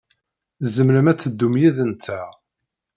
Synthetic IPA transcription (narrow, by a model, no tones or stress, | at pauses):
zəmɾəmæt͡sːəd̪ːumjiðənt̪ʰːæ